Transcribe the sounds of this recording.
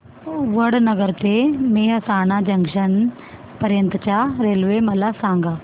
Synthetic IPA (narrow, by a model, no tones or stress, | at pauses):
ʋəɽnəɡəɾt̪emeːɦəsaːɳ̃ad͡ʑɐŋɡʂən | pɐɾjənt̪ət͡ɕaɾelʋemɐlasãŋɡa